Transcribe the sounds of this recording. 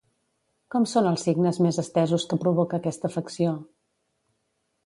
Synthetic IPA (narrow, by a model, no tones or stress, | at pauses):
kɔmsonəlˠsiɡnəzmezəst̪ɛzuskəpɾuβ̞okəːkɛst̪əfəksio